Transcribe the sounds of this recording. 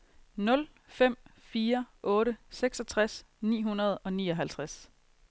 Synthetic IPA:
nɔ̽l | fem̰fiːɐʔɔ̽ːɾəseɡ̥sɒ̽t͡sʰʁas | nḭːɦunɐð̞ˠɒ̽niːɒ̽ɦælt͡sʰʁas

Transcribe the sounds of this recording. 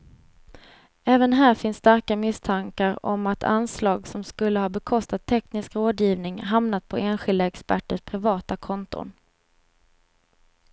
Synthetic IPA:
ɛːvənɦæːɾfɪnsːt̪aɾkamɪst̪ʰaŋkaɾɔ̰mat̪ʰa̰nslɑːɡsɔmskɵlːəhɑːbɛkʰɔst̪at̪ʰːɛknɪskɾoːd̪jiːvnɪŋɦamnat̪̚pʰɔeːnɧɪld̪aɛkspæʈːəʂpʰɾɪvɑːt̪akʰɔnt̪ʊ̰n

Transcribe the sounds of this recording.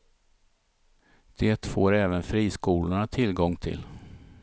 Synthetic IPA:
d̪̥eːt̪foːɾɛːvənfɾiːskuːlʊɳat̪ʰɪlɡɔŋːt̪ʰɪ̰l

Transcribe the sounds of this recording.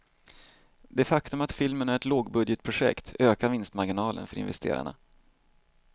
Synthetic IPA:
d̪ɛfakt̪ɵmat̪fɪlmənæɾɛt̪loːɡbɵd̪jət̪̚pʰɾʊɧɛ̰kt̪øːkaɾvɪnst̪maɾɡɪnɑːlə̰nfœɾɪ̰nvɛst̪ʰḛːɾa̰ɳa̰

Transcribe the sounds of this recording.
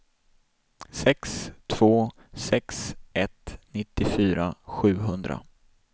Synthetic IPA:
sɛkst̪ʰv̥oː | sɛksʔɛt̪nɪt̪ːɪfyːɾaɧʉ̟ːɦɵnd̪ɾa̰

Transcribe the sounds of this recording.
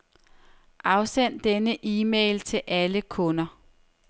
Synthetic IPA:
ʔɑ̈ʊsen̰d̥enəʔiːmeːɪlt͡sʰe̝lʔæləkʰɔ̽nɐ

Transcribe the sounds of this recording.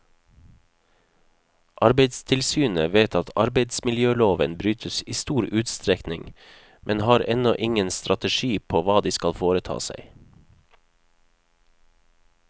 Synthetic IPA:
ʔɑɾbeɪd̪st̪ʰɪlsyːnəʋeɪt̪ʰɑt̪ʰɑɾbeɪd̪smɪljøːloːʋənbɾyːt̪ʰəsiːst̪uːɾʉːt̪st̪ɾɛknɪ̰ŋ | mʔɛnhɑːɾɛnɔʔɪŋənst̪ɾɑt̪əʃiːpʰoːʋɑːd̪iːskɑlfoːɾət̪ʰɑ̰ːsæ̰ɪ

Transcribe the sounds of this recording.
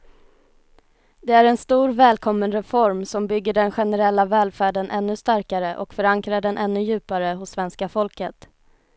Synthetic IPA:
d̪ɛæɾɛnst̪uːɾvɛːlkʰɔmːənɾɛfɔɾmsɔmbʏɡːəɖɛnɧɛnɛɾɛlːavɛːlfæːɖənʔɛnːɵst̪aɾkaɾəʔɔkfœɾaŋkɾaɖɛnʔɛnːɵjʉ̟ːpaɾəɦʊsːvɛnskafɔlkət̪

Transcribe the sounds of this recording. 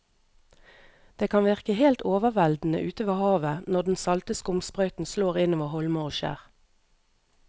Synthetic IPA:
d̪̥eːkʰɑnʋɪʁkəheːlt̪oːʋəʋɛld̪n̩ə̰ʔʉːt̪əʋɑːhɑːʋənɔʁd̪n̩sɑlt̪əskʊmspʁœʏt̪n̩sloːʁɪnɔːʋɑːhɔlməʁoːʃḛːʁ

